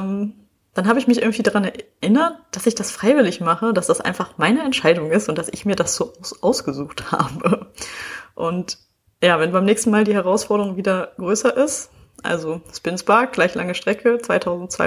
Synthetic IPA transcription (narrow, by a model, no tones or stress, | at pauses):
m | d̥anɦaːbəɪçmɪçʔɪɐɡŋ̩tv̥iːdaʁanɛɐʔɪnɐt̚d̥asɪçd̥asfʁ̥aɪvɪlɪçmaχəd̥asd̥asʔa̰ɪnfaχmaɪnəɛntʃaɪdʊŋɪstʊntd̥asɪçmiːɐdasz̥oːʔsʔaʊsɡ̥əzuːxtha̰ːbə | ʔʊnt | jaːvɛnbaɪmnɛːçstn̩maːldiːhɛʁ̞aʊsfɔɐɾəʁʊŋviːdɐɡ̥ʁøːsɐʔɪst | ʔa̰lzospɪnsb̥aɐk̚ɡ̥laɪçlaŋəʃtʁ̥ɛkʰət͡sv̥aɪtʰaʊzn̩tt͡sv̥a̰ɪ